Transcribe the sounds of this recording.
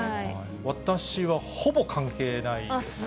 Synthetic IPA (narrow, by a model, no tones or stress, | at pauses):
βat̪aɕiβaho̞bo̞kãŋke̞ːnaie